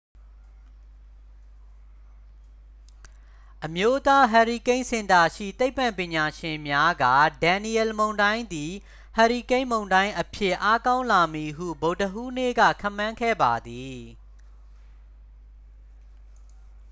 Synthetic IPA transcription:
ʔəmjo˦t̪a˦ɦa˨ɹi˨kẽ˦ɪ̃sɪ̃˨nd̪a˨ʃḭ˦˨t̪e˦ɪpːã˨mpjɪ̃˨ɲa˨ʃɪ̃˨mja˦ɡa̰˦˨dã˨ni˨ɛ˨lmõ˨ʊ̃ndã˦ɪ̃nd̪i˨ | ha˨ɹi˨kẽ˦ɪ̃mõ˨ʊ̃ndã˦ɪ̃ʔəpʰjɪ˦˨ʔa˦kã˦ʊ̃la˨mi˨ɦṵ˦˨bo˨ʊtəʔu˦nḛ˦˨ɡä̰˦˨kʰã̰˦˨mːã˦ŋkʰɛ̰˦˨ba˨d̪i˨

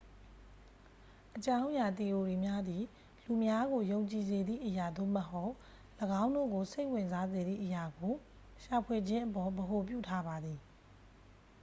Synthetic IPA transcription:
ʔət͡ɕã˦ʊ̃ja˨t̪i˨ʔo˨ɹi˨mja˦d̪ði˨ | lu˨mja˦ɡo˨jõ˨ʊ̃ɲt͡ɕi˨ze˨d̪ðḭ˦˨ʔəja˨d̪o̰˦˨məɦo˦ʊʔ | ləɡã˦ʊ̃ndo̰˦˨ɡo˨se˦ɪʔwɪ̃˨nza˦ze˨d̪ðḭ˦˨ʔəja˨ɡo˨ | ʃa˨pʰwe˨d͡ʑɪ̃˦ʔəpɔ˨bəɦo˨p̬jṵ˦˨tʰa˦ba˨d̪ði˨

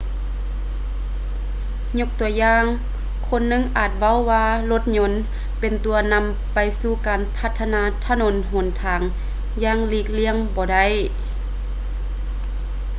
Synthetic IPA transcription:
ɲo˧˥k̚t̪u˨˧˩ɐjaː˧ŋ | kʰo˧˥˨nːɯ˧˨ŋʔaː˨˩t̪̚ʋa˧˥˨wːaː˧lo˧˥t̪̚ɲo˧˥n | pe˨nt̪u˨ɐna˧˥m | pa˨jsuː˧˩kaː˨˩npʰa˧t̪ʰːa˧naː˧˥t̪ʰa˧˨no˧˦nɦo˨˩nt̪ʰaː˨˩ŋ | jaː˧˩ŋliː˧˩k̚li˧˥əŋbɔː˨˧da˧˩˨j

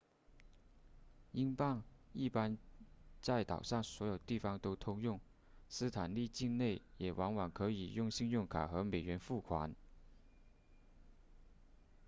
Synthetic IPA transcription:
i˥ŋpɑ˥˧ŋi˥˩pa˥nt͡sa˥˩ɪt̪ɑ˨˩ʊʂɑ˥˩ŋswɔ˧˥jo˨˩ʊt̪i˥˩fɑ˥ŋt̪o˥ʊt̪ʰʊ˥ŋjʊ˥˩ŋ | sɹ̩˥t̪ʰa˨˩nli˥˧t͡ɕi˥˧nne˥˩ɪjɛ˨˩wʔɑ˧˥ŋwɑ˨˩ŋkʰɤ˧˥i˨˩jʊ˥˧ŋɕi˥˧ŋjʊ˥˩ŋkʰa̰˨˩xɤ˧˥me˨˩ɪɥɛ˧˥nfu˥˩kʰwa̰˧˥n

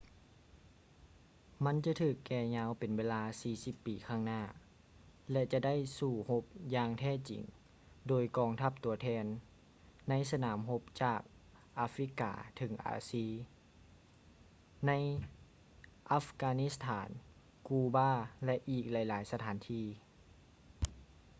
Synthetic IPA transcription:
ma˧˥˨nt͡ɕa˧˦t̪ʰɯː˨˩kːɛː˧˩ɲaː˧˥wpe˨nweː˧˥laː˧siː˨˩si˧˥pːiː˨˦kʰaː˧˥˩ŋnaː˧˩ | lɛ˧t͡ɕa˧˩da˥˨jsuː˧˩ho˧˥p̚jaː˧ŋt̪ʰɛː˥˩˨t͡ɕḭ˨˩˦ŋ | doː˨˩jkɔː˧˩ŋt̪ʰa˧˩p̚t̪u˩ɐt̪ʰɛː˧nː | a˧˥js̬a˧naː˩˦mɦo˧˥p̚t͡ɕaː˨˩k̚ | ʔaː˧˥fɾi˧˥ka̰ː˩˦t̪ʰɤ˨˧˦ŋʔa̰ː˨˧˦siː˧˩ | na˧˥j | ʔa˧˥fkaː˧ni˧˥st̪ʰaː˩˦n | kuː˧baː˥˩˨lɛ˧ʔiː˨˩k̚la˨˦jlaː˨˦jsa˧t̪ʰaː˨˦nt̪ʰiː˧˩

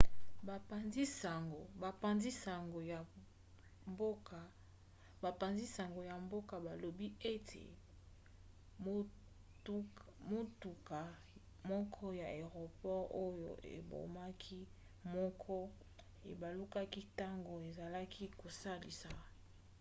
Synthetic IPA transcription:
ba˨pa˨nzi˦sa˨ŋɡo˨ba˨pa˨nzi˦sa˨ŋɡo˨ja˨ | mbo˦ka˨ | ba˨pa˨nzi˦sa˨ŋɡo˨ja˨mbo˦ka˨ba˨lo˨bi˦e˦tʰḛ˨˦ | mo˦tu˨ka˨ | mɔ˦kʰɔ˦ja˨e˨ʁo˨pɔ˦ʁo˦jo̰˨ḛ˨bo̰˨ma˦kʰi˦ | mɔ˦kʰɔ˦ | e˨ba˨lu˦ka˦ki˦ta˦ŋɡo˨e˨za˨la˦kʰi˦ko˨sa˦lḭ˨sa˨

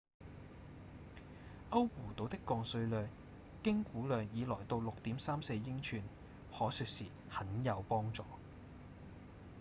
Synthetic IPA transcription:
ʔɐ˥wwuː˨˩t̪o˨˧wt̪ɪ˥kːɔː˧ŋsɵ˧ɥlœː˨ŋ | kɪ˥ŋkuː˨˥lœː˨ŋjiː˨˧lɔː˨˩jt̪o˧wlʊ˨k̚t̪iː˨˥msaː˥mse˧jːɪ˥ŋt͡ʃʰyː˧n | hɔː˨˥sɵː˨˧k̚siː˨˩ | hɐ˨˥njɐ˨˧wpɔː˥ŋt͡ʃɔː˨

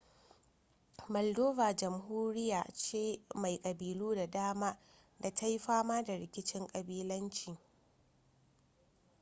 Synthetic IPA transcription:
mɐ˨ldoː˦vaː˨d͡ʒɐ˨mɦuː˦ɾɪ˦jaː˨t͡ʃeː˦ma˨jkʼɐ˨biː˨luː˦da˨daː˦maː˦ | da˨ta˦jɸaː˦maː˦da˨ɾɪ˨kʲɪ˦t͡ʃɪ˦ŋkʼɐ˨biː˦lɐ˦nt͡ʃiː˨

